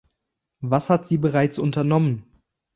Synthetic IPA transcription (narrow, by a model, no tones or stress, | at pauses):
vashatz̥iːbəʁaɪt͡sʔʊntɐnɔmən